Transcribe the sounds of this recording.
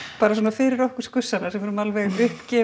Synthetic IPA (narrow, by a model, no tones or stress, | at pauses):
paːɾasɔːnafɪɾɪɾɔhkʏɾ̥skʏsːanasɛmɛɾʏmalvɛɣʏhpcɛː